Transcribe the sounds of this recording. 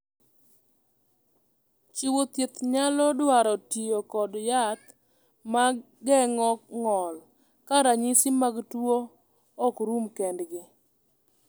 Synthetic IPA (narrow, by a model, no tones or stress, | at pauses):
t͡ʃiwot̪jet̪ɲalɔdwaɾɔtijokɔdjat̪ | ma | ɡɛŋɔkŋɔl | kaɾaɲisimaɡtwoː | kɾumkɛndɡɪ